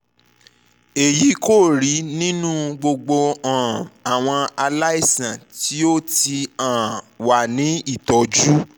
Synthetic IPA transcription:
e˨ji˨˦ko˦˨ɾi˨˦nĩ˦nũ˦ɡ͡bo˧ɡ͡bo˧ã˨a˨w̃ɔ̃˧a˧la˦i˦˨sã˨ti˨˦o˦ti˧ã˨ | wa˨nĩ˨˦i˦˨tɔ˨˦d͡ʒu˦

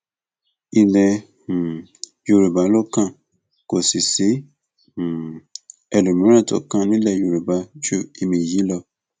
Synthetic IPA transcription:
i˧lɛ̃˧˨ | jo˧ɾe˨ba˨˦lo˦kã˦˨ | ko˨si˨sĩ˨˦˨ | ɛ˧lu˨mĩ˨˦ɾ̃ã˦˨tɔ̰˨kã˦nĩ˦lɛ˦˨jo˧ɾu˨ba˨˦d͡ʒo˦i˧mĩ˧˨ji˨˦lɔ˧

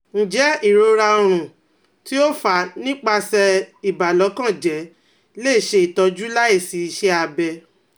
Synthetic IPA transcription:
n̩˨d͡ʒɛ˨˦i˦˨ɾo˧ɾa˧o˧ɾ̃ũ˨ | ti˦o˦fa˨˦nĩ˦k͡pa˧sɛ˧i˨ba˨lɔ˨˦kã˦˨d͡ʒɛ˨˦ | leː˦˨ʃe˧˦i˨tɔ˧d͡ʒu˦la˦i˦˨si˨˦i˧ʃɛ˧˦a˧bɛ˧

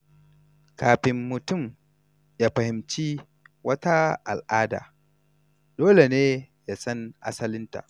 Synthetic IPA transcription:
kaː˨ɸɪ˨mːʊ˨tʊ˦˨m | jaː˦ɸɐ˨hɪ˨mt͡ʃiː˦ | wɐ˦ta˦ʔa̰˨lʔaː˦da̰ː˨ | doː˦le˨neː˦ja˦sɐ˦nʔa̰˦sɐ˦lɪ˦nta̰˨ʔ

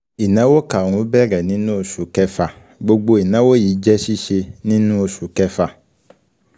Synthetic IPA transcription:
i˨nã˨˦wo˦ka˨ɾ̃ũ˧˦bɛ˦˨ɾɛ˨nĩ˦nũ˦o˧su˨kɛ˦fa˨ | ɡ͡bo˧ɡ͡bo˧i˨nã˨˦wo˦jiː˨˦d͡ʒɛ˦ʃi˦ʃe˧nĩ˦nũ˦o˧su˨kɛ˦fa˨

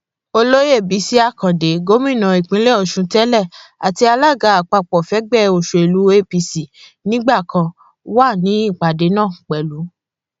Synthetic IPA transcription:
o˧lo˦je˦˨bi˨˦si˦a˦˨kã˨de˨˦ɡo˦mĩ˦˨nã˨i˨k͡pĩ˨˦le˦ɔ˨ʃũ˧˦tɛ˦lɛ˦˨a˨ti˧a˧la˦˨ɡa˧˦a˨k͡pa˧k͡pɔ˨fɛ˨˦ɡ͡bɛ˦o˨ʃo˨e˨lu˨˦e˦pi˧si˨ | nĩ˦ɡ͡ba˦˨kã˧ | wa˦˨nĩ˨˦i˦˨k͡pa˨de˨˦nã˦˨k͡pɛ˨lu˨˦

